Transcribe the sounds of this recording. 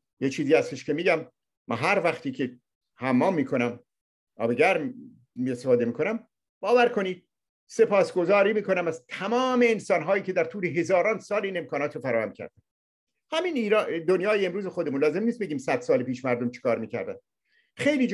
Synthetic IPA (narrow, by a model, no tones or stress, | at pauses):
jet͡ʃʰiːziːæst̪e̞ʃkʲe̞miːɟæm | mæ̰ɦæɾvæχt̪iːcʰe̞ | hæmːɒːmːiːkʰo̞næm | ʔɒ̰ːbeɡæɾ | miest̪efɒːd̪e̞miːkʰo̞næm | b̥ɒːvæɾkʰo̞niːd̪̚ | se̞pʰɒːsɡo̞zɒːɾiːmiːkʰo̞næmæz̥t̪ʰæmɒːme̞ːnsɒːnɦɒːjiːcʰe̞d̪æɾt̪ʰuːleɦe̞zɒːɾɒːnsɒːleiːne̞mkʰɒːnɒːt̪ɾofæɾɒːhæ̰mcʰæ̰ɾd̥̪æn | hæminiːɾd̪onjɒːjeːmɾuːzexo̞d̪emunlɒːzemniːst̪beɟʲiːmsæd̪̥sɒːlepiːʃmæɾd̪o̞mt͡ʃʰe̥kʰɒːɾmiːcæ̰ɾd̪æ̰n̥ | xe̞jliːd͡ʒ